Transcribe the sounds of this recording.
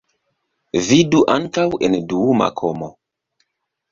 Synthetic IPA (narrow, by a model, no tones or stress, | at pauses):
viduʔantawɛnduuma̰kʰɔmɔ